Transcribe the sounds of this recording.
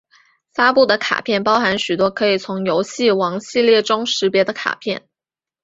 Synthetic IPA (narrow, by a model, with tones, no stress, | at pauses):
fa˥pu˥˩d̪ə˩kʰa̰˨˩pʰjɛ˥˩npɑ˥ʊxa˧˥nɕy˨˩t̪wɔ˥kʰɤ˧˥i˨˩t͡sʰʊ˧˥ŋjo˧˥ʊɕi˥˩wɑ˧˥ŋɕi˥˧ljɛ˥˩ʈ͡ʂʊ˥ŋʂɻ̩˧˥pjɛ˧˥d̪ə˧kʰa̰˨˩pʰjɛ˥˩n